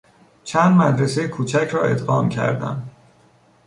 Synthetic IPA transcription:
t͡ʃʰænd̪mæd̪ɾesejekʰuːt͡ʃʰæcʰɾɒːe̞̰t̪ɢɒːmcʰæ̰ɾd̪æ̰n

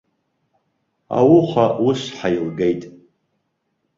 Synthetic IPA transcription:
a̰wʊχʷawʊʂʷħajilɡejtʼ

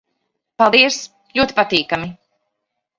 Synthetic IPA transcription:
palˠd̪iɛs | lʲuɔt̪i̥pat̪iːkami

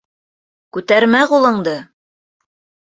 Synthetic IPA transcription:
kʉt̪æɾmæqulˠɤ̆ɴd̪ɤ

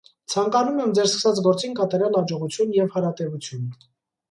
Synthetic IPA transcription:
t͡sʰɑŋkɑnumɛmd͡zɛɾskə̥sɑt͡sɡɔɾt͡sinkɑt̪ɑɾjɑlhɑd͡ʒɔʁut͡sʰjunjɛvhɑɾɑt̪ɛvut͡sʰjun

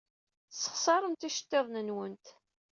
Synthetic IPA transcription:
sə̥χsˤɑɾˤənt̪iʃə̥t̪ːeðˤnənwənt̪

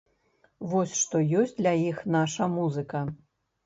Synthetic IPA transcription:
vɔsʲʂt̪ɔjɔsʲt͡sʲd̪lʲɐjixnaʂɐmuzɨkɐ

